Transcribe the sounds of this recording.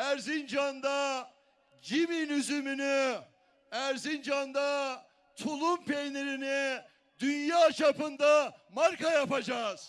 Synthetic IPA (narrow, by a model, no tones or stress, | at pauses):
æɾzind͡ʒand̪a | d͡ʒiminyzymyny | æɾzind͡ʒand̪a | t̪ʰulˠumpʰejneɾini | d̪ynjaːt͡ʃʰapɯnd̪amaɾkajapad͡ʒaːz̥